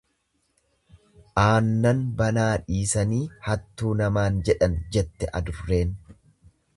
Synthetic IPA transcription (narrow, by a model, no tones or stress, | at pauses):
ʔaːnːɐnbɐnaːᶑiːsɐniːhɐt̪ːuːnɐmaːnd͡ʒɛᶑɐnd͡ʒɛt̪ːɛʔɐ̰d̪ʊrːe̞ːn